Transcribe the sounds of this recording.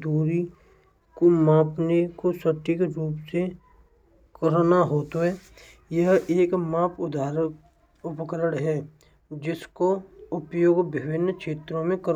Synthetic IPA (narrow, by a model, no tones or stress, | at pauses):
d̪uːɾi | komãːpnekosəʈikɾuːpse | kəɾnaɦoːt̪oɦɛː | jəɦeːkmãːpʰʊd̪ʱaːɾ | ʊpəkəɾəɽɦɛː | d͡ʒɪskoʊpjoːɡbɪbɪnːkʃeːt̪ɾõmẽkəɾ